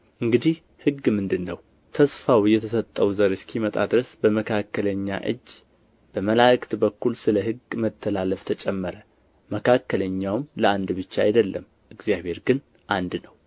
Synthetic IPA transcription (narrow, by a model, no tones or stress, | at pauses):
ʔɨŋɡɨd̪ih | hɨɡmɨnd̪ɨnːəw | t̪ʰəsfawjɛt̪ʰəsət̪ʼːəwzəɾɨskʰimət̪ʼa̰d̪ɨɾəsbəməkʰakːələɲːa̰ʔɨ̰d͡ʒː | b̥əməlakt̪bəkːulsɨləɦɨɡmət̪ʰːəlaləft̪ʰət͡ʃʼɛmːəɾə | məkʰakːələɲːawmləand̪bɨt͡ʃːaa̰jd̪əlːə̰m | ʔɨɡzjaβe̞ɾɡɨn | ʔand̪nəw